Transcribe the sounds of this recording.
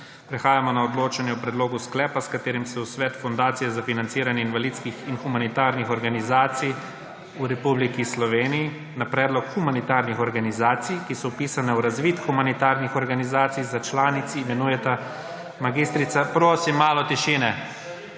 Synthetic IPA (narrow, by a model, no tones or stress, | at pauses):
pɾɛxaːjamɔnaɔd̪loːt͡ʃanjɛupɾɛd̪loːɡusklɛːpaskat̪eːɾimsɛusʋɛːt̪fɔnd̪aːt̪sijɛzafinant̪siːɾanjɛinʋalit̪skixinxumanit̪aːɾnixɔɾɡanizaːt̪sij | uɾɛpublikislɔʋeːniji | napɾɛːd̪lɔkxumanit̪aːɾnixɔɾɡanizaːt̪sijkisɔwpisanɛwɾazʋiːt̪xumanit̪aɾnixɔɾɡanizaːt̪sijzat͡ʃlaːnit̪siːmɛnuːjɛt̪a | maɡist̪ɾit̪sapɾoːsimːaːlɔt̪iʃiːnɛ